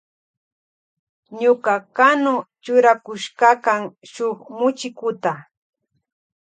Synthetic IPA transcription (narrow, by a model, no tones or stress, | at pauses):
ɲʊkakanʊt͡ʃʊɾakʊʃkakaŋʃoχmʊt͡ʃɪkʊt̪a